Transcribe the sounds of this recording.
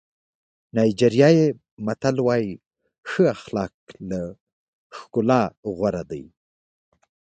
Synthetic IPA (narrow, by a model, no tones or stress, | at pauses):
nɑjd͡ʒeɾjɑje | mat̪alwɑj | xəaxlɑk̚la | xkʊlɑɣwaɾad̪aj